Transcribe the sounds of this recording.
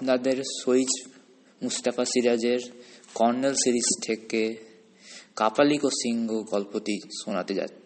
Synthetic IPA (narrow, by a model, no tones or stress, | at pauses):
nad̪eɾʃoid͡ʑ | must̪afasiɾad͡ʑeɾkɔɾnelsiɾist̪ʰeke | kapalikosiŋɡoɡɔlpot̪iʃonat̪ed͡ʑa̰t